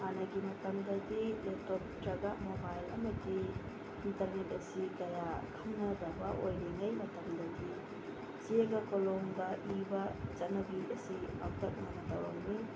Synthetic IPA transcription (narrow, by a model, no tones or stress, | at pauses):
manɐɡimɐtɐmdɐdiletop̚tɾɐɡamobajlɐ̰mɐdi | intɐɾnet̚ɐsikɐjakʰɐŋnɐdɐbɐʔojleŋɐjmɐtɐmdɐdi | sieɡɐkoloŋdɐʔibɐt͡ʃɐtnɐbiɐsia̰w̚tɐk̚manɐdɐwɾɐ̰ŋni